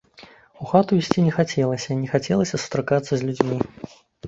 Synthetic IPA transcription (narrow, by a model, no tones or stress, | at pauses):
uxat̪uisʲt͡sʲinʲɛxat͡sʲɛlˠɐsʲɐinʲɛxat͡sʲɛlˠɐsʲɐsu̥t̪ɾakat̪sːɐzʲlʲud͡zʲmʲi